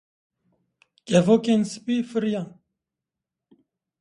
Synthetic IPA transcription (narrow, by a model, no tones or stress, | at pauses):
kʼɛvokensɨ̥pifɨɾja